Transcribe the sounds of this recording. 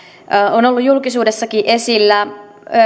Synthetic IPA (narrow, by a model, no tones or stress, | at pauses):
onolːujjulkisuːdesːɑkiʔe̞silːæ